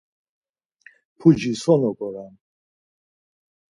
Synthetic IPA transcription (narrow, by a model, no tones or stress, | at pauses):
pʰud͡ʒisɔnɔkʼɔɾan